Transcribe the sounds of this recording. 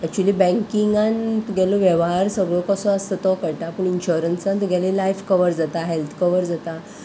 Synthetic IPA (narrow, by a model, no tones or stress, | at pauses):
ɛk̚t͡ɕualiːbɛ̃ŋkiŋɡant̪ɡʱɛlɔʋjɛʋɦaɾsəɡɭɔkɔsɔ̃əst̪ət̪ɔkəʈapəɳinɕuɾənsãnt̪ɡʱɛlilajfkəʋəɾd͡zat̪aɦelt̪ʰkəʋəɾd͡zat̪a